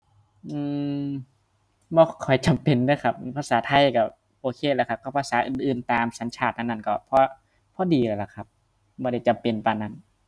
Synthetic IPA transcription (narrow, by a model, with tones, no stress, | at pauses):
ʔɯː˧˩ | bɔː˧˩kʰɔ˨˩jt͡ɕa˨mpe˨ndɯː˧˥˨kʰa˧˩p̚pʰa˧˥saː˨˦t̪ʰa˧˨jka˧˩ | ʔoː˧kʰeː˧˩laː˧˩kʰa˧˩kɔ˧˩pʰa˧saː˨˦ʔɯː˨˩nʔɯː˨˩nt̪aː˨msa˨˦nt͡ɕʰaː˧˩t̪̚na˧nːa˧˩˨kɔ˧˩pʰɔː˧ | pʰɔː˧˥diː˧laː˧˩la˨˩kʰa˧p̚ | bɔː˧ɾa˧˩jt͡ɕa˨mpe˧˨npaː˧na˧˥˩n